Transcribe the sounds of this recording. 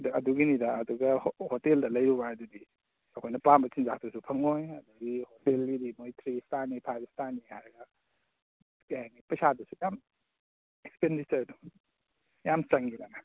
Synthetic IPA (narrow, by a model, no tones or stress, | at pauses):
dɐduɡinidaːduɡɐhoteldɐlɐjɾubaɐdudi | ɐkʰojnɐpambɐt͡ʃinzak̚ʰdusupʰɐŋojɐduɡihotelɡidimojtʰɾistanipʰajbstanihajɾɐɡɐ | ajanipɐsadusujam | ekspendit͡ʃɐɾdu | jamt͡ʃɐŋiɡana